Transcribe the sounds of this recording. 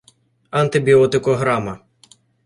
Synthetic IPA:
ɐnt̪ɪbʲiɔt̪ɪkɔɦɾamɐ

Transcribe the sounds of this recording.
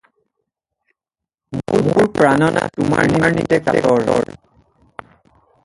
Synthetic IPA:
momoɹpɹanɔnatʊmaɹniɹnitɛkaɡɔɹɔɹ

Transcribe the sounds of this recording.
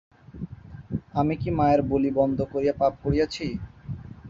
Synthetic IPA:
amikimaeɾbolibɔnd̪ʱokoɾijapap̚koɾijat͡ɕʰi

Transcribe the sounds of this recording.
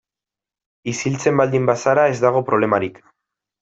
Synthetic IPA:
isilt͡se̞mbald̪imbasaɾae̞zd̪aɣ̞o̞pɾo̞β̞le̞maɾik

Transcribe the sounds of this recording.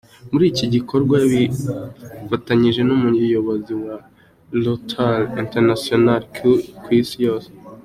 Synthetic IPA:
muɾiːciɟiko̞ɾɡwaβi | fataɲiʒe̞numujo̞βo̞ziwa | lotʰaninteɾnasionalkʰukwisijo̞ːse̥

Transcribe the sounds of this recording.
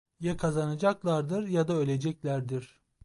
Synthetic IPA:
jɛkʰazanad͡ʒaklˠaɾd̪ɯɾjad̪aølʲed͡ʒɛclʲæɾd̪iɾ̥

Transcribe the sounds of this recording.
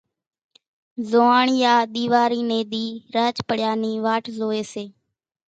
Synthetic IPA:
zoːaːɳjaːɗ̪iːʋaːɾiːneːd̪iːɾaːt͡ʃpəɽjaːniːʋaːʈʰzoːeːseː

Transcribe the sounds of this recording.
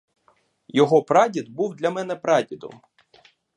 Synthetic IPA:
jɔɦɔpɾɑdʲid̪̚buwd̪lʲɐmɛnɛpɾɑdʲid̪ɔ̰m

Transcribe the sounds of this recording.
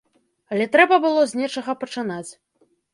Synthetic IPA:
ɐlʲɛt̪ɾɛbɐbɨlˠɔzʲnʲɛt͡ʂɐɣɐpɐt͡ʂɨnat͡sʲ

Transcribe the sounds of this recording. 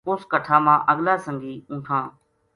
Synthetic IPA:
oːskəʈʰaːmãːʔəɠlaːsəŋɡiːũːʈʰãː

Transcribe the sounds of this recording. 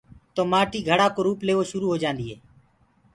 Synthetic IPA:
t̪oːmaːʈiːɡʱəɽaːkoːɾuːpleːʋoːʃʊɾuːɦoːd͡ʒãːnd̪iːɦeː

